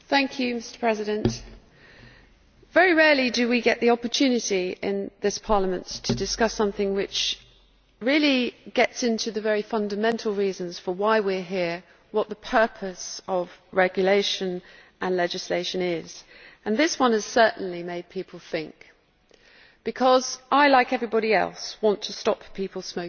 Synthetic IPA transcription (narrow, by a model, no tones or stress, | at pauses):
θæ̃ŋkʰjʉmɪstə̥pʰɹ̥ɛzɪɾə̃nt | vɛɹiɹɛːlidəwiɡɛʔ̪̚ðiɒpətʰʉnɨtiɪ̰̃nðɪspʰɑɹləmə̃nttʰədɨskʌsʌ̃mθɪ̃ŋwɪt͡ʃ | ɹɪəliɡ̥ɛtsɪ̃ntʰʉðəvɛɹifʌ̃ndəmɛ̃ntʰˡl̩ˠɹiːzə̃nz̥fəwaɪwɪɹɦɪə | wʌʔ̪̚ðəpʰɜ˞pʰəsəvɹɛɡjəleɪʃɨ̃n | ʔə̃nlɛd͡ʒɨsleɪʃɨ̃nɪz̥ | ɨ̃nðɪswʌ̃nɨz̥sɜ˞ʔn̩limeɪd̚pʰipʰl̩ˠθɪ̃ŋk | b̥ɨkʰɒzʔaɪlaɪkɛvɹibɑɾiɛ̰lˠswɒ̃ntʰəstɒppʰipəl̩ˠsməʊ